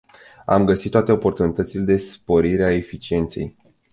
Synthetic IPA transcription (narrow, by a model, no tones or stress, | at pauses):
a̰mɡəsit̪t̪ːat̪e̞o̞po̞rt̪unit̪ət̪sile̞d̪e̞spo̞ɾiɾeaefit͡ʃie̞nt̪se̞̰j